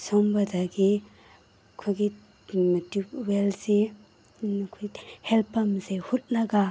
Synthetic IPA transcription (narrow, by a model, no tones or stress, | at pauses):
sombadaɡi | kʰoɡi | tiwelse | nkʰojhelpːamsehut̚naɡa